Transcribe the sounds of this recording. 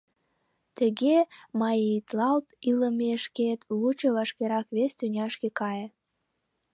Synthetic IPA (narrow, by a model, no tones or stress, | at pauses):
t̪ə̆ɣemɑjet̪lɑlt̪iləmeʃket̪lut͡ɕoβɑʃkeɾɑkβest̪ynʲɑʃkekɑje